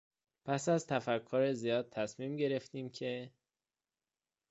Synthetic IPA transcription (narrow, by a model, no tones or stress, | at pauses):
pʰæsæzt̪ʰæfækʰːoɾezijɒːd̪̚t̪ʰæsmiːmɟe̞ɾe̞ft̪iːmcʰe̞